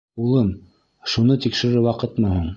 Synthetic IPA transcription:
ulˠɤm | ʃunɤt̪ikʃɘ̆ɾɘwɑqɤt̪mɤɦoɴ

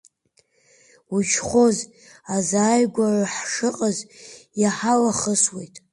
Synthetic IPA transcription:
ud͡ʒχʷo̞z | azaːjɡʷaraħʂɨqʼazjaħalaχəswe̞jtʼ

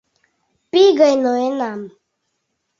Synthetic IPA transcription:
piɡəjnɔenam

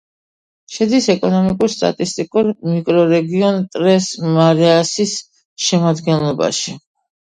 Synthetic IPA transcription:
ʃɛd̪isɛkʼɔnɔmikʼuɾst̪ʼa̰t̪ʼist̪ʼikʼuɾmikʼɾɔɾɛɡiɔnt̪ʼɾɛsmaɾɛasis | ʃɛmad̪ɡɛnlˠɔba̰ʃi

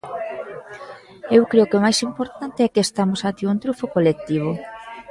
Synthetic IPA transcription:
ewkɾeokeomajsimpoɾt̪ant̪eɛkɪest̪amosat̪iunt̪ɾufokolek̚t̪iβ̞o

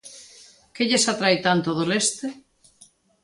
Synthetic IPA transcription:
keʎesat̪ɾajt̪ant̪oðolest̪e

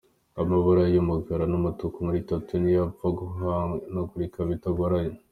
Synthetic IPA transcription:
amaβuɾajumuɡaɾanumutukumuɾitotunijafaɡuɦanoɡuɾikaβitoɡoɾajo

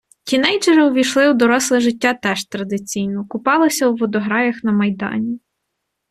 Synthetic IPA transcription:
tʲinɛjt͡ʃeɾɔʋʲijʃlˠɪwd̪ɔɾɔslˠɪʒɪtʲːɑt̪ɛʃt̪ɾɐd̪ɪt͡sʲijnɔkʊpɑlˠɪsʲɐwːɔd̪ɔɦɾɑjʲixnɐmɐjd̪ɑ̰nʲi

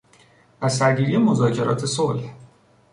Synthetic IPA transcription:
ʔæsæɾɟiːɾije̞mo̞zɒːcʰe̞ɾɒ̰ːt̪ʰe̞solh

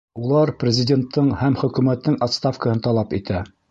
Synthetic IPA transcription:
ulˠɑɾprʲɪzʲɪdʲe̞nt̪ʰːɤɴhæmχɵ̆kʉmæt̪ːɘŋʔɒt̪st̪afkəhɤnt̪ɑlˠɑpit̪æ

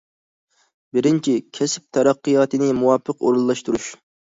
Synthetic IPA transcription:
bɪɾɪnt͡ʃʰikʲʰɛsɪ̥p̚t̪ʰɛɾɑqːijɑːt̪ɨnɪmuwɑpʰːəqo̰ɾulˠːɑʃt̪uɾuʃ

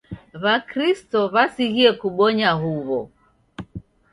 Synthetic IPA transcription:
βakɾistɔβasiɣiɛkuɓɔɲaɦuβɔ

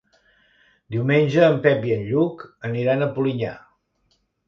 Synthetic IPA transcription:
d̪iwmenʲʒəːmpɛpiənʎukəniɾanəpuliɲa̰

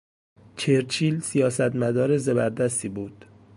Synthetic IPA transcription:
t͡ʃʰeɾt͡ʃʰiːlsijɒːsæt̪mæd̪ɒːɾe̞zebæɾd̪æst̪iːbuːd̪̥

